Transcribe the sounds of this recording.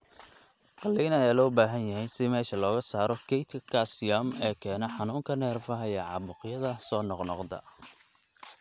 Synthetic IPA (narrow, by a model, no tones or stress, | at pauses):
qɑlːijnɐɛlɔːbaːɦɐnjɐɦɛjnsɪmɛːʃɐlɔːɣɐsaːɾɔkʰɛjt̪ʰkʰɐsjamɛːkʰɛːnɔħɑnuːŋkʰɐnɛːrfɐɦɐɛʕɑ̰bʊqjɐðɐsɔːnɔqnɔqd̪ɐ̰